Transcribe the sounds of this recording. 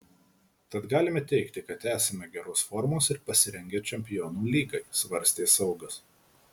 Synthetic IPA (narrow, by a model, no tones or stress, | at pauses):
t̪ɐt̪ɡɑːlʲɪmʲɛt̪ʲɛɪkt̪ʲɪkɐt̪æːsʲɛmʲɛɡʲɛɾoːsfɔɾmoːsɪɾpɐsʲɪɾʲɛŋʲɡʲeːt͡ʃʲɛmʲpʲɪjɔːnuːlʲiːɡɐɪsʋɐɾʲsʲt̪ʲeːsɐʊɡɐs